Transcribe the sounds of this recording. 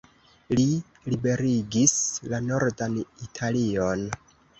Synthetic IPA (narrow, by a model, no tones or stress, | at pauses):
li | libe̞ɾiɡislano̞ɾdanitʰalio̞n